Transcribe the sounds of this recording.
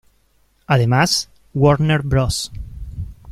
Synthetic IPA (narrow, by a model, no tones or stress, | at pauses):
aðemas | woɾneɾbɾos